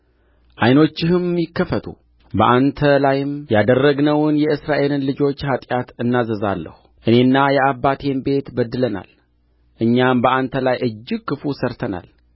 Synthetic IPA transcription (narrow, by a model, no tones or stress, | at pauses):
ʔajno̞t͡ʃːɪhɨmːjɪkːəfət̪ʰṵ | bəʔant̪ʰəlajɪmjad̪ərːəɡnəwnjɛɨsɾaʔe̞lɨnlɨd͡ʒo̞t͡ʃːhat̪ʼjat̪ɨnːazəza̰lːə̰hu | ʔɨne̞nːajɛabːat̪ʰe̞mbe̞t̪bəd̪ːɨləna̰l | ʔɨɲːambəʔant̪ʰəlajʔɨd͡ʒːɪɡ̚kːɨfusəɾt̪ʰəna̰l